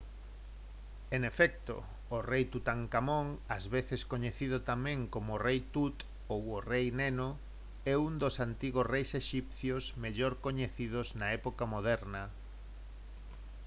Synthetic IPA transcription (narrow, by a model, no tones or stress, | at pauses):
enefɛk̚t̪o̰ː | rejt̪ut̪aŋkamoŋɐzβeθeskoɲeθiðʊt̪amɛ̃ŋkomorejt̪ut̪ | oworejneno | ɛund̪osant̪iɣosrejseʃipθjosmeʎoɾkoɲeθið̞ʊznaɛpokamoð̞ɛɾnɐ